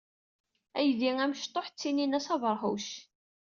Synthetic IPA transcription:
æjðiŋæmʃt̪ˤːoħt͡sːininæsɑvəɾˤɦṵʃ

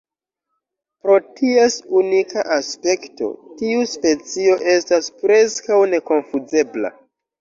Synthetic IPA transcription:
pɾo̞tʰie̞sunikaʔaspe̞kto̞̰tiuspe̞t͡sio̞ʔe̞staspɾe̞skawne̞ko̞nfuze̞bla̰

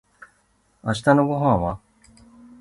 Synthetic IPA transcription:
aɕi̥t̪ano̞ɡo̞ɦãɰ̃βa

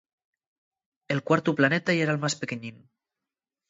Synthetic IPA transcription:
elˠkwaɾt̪uplanɛt̪ajeɾalmaspekeɲin

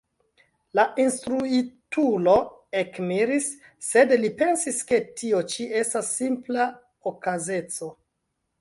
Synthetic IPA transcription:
laʔinstɾuitulo̞ | ekmiɾisːe̞dlipe̞nsiske̞tʰio̞t͡ʃie̞stasːimpla | okaze̞t͡so̞

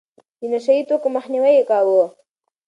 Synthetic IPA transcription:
d̪ənaʃait̪okomaxniwajekɑwo

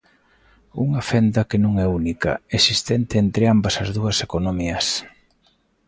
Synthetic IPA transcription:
uŋɐfɛnd̪ɐkenũŋɛunikɐ̰esist̪ɛnt̪ɪːnt̪ɾɪambɐsɐzðuɐsekonomiɐs

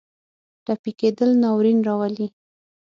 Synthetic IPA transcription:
ʈapiked̪əlnɑwɾinɾɑwali

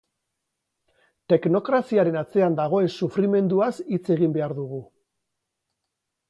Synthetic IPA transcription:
t̪e̞kno̞kɾasiaɾe̞nat͡se̞and̪aɣ̞o̞e̞nsufɾime̞nd̪uasit͡se̞ɣimbe̞aɾðuɣ̞u

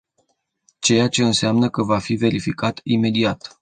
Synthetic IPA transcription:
t͡ʃe̞jat͡ʃe̞ɨnseamnəkəvafive̞ɾifikat̪ime̞d̪iat̪

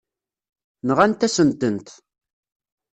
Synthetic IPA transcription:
nəʁænt̪ːæsənt̪ənt̪

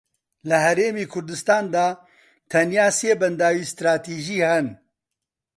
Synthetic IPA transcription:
lɐɦɛɾeːmiːkʰʊɾd̪ɨst̪aːnd̪aː | t̪ʰɐnjaːseːbɐnd̪aːwiːst̪ɾaːt̪iːʒiːhɛn

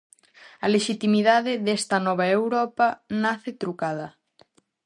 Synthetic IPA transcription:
ɐleʃit̪imiðaðɪðest̪ɐnɔβ̞aewɾɔpɐnaθet̪ɾukaðɐ

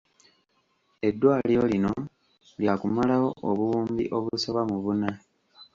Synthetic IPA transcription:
e̞dːwaːlijolino̞ | ljakumalawo̞ʔoβuwuːmbḭʔo̞βuso̞βamuβuna

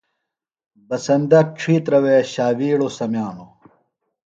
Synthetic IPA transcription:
bɐsɐnd̪ɐʈ͡ʂʰiːt̪ɾɐweɕaːwiːɽosɐmjaːno

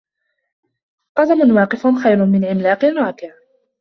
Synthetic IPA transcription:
qɑdamʊnwɑːqɪfʊnxajɾʊnmɪnʕɪmlaːqɪnɾˤɑːkɪʕ

